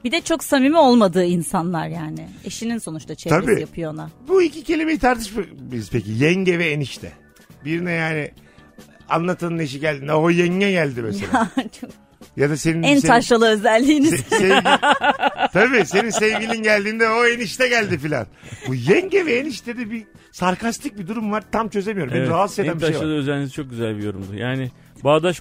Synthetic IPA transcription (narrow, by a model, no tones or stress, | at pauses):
bid̪ɛt͡ʃʰo̞ksamimiolˠmad̪ɯːinsanlˠaɾjaːnɪe̞ʃininso̞nut͡ʃt̪ʰat͡ʃʰeabijapʰɯjoanabuicicʰe̞lʲimejit̪ʰaɾt̪ʰɯʃmaiɾiz̥pecijɛɲɟɛvɛːniʃt̪ʰɛ̰ | biɾinɛjaːnɪ | a̰nlˠat̪ʰɯneʃ̬iɟælʲd̪ind̪ɛojɛɲːɛɟælʲd̪imɛsḛat͡ʃʰok̚ | jad̪ase̞ninænʰaʃlˠalˠɯøzælʲːiːniseɟ | t̪ʰabiːse̞ninsevlɟilʲinɟælʲd̪iːnd̪ɛoeniʃt̪ɛɟælʲd̪ifilʲa̰nbujɛɲɟevɛeːniʃt̪ʰɛd̪ɛbi | saɾkast̪ʰic̚bid̪uɾumvaɾt̪ʰamt͡ʃʰø̞ze̞mijo̞ɾmbinɾaased̪anmbiʃejvaalˠɯøzɛlʲinizit͡ʃʰo̞k̚ɟyzælʲbijo̞ɾumd̪ʊjaːnɪ | baːd̪aʃ